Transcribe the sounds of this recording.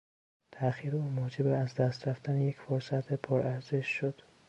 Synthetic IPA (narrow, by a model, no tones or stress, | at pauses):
t̪ʰæxiːɾeuːmoːd͡ʒebeæzd̪æst̪ɾæft̪ænejecfoɾsæt̪ʰepʰoɾʔæɾze̞ʃːod̪̥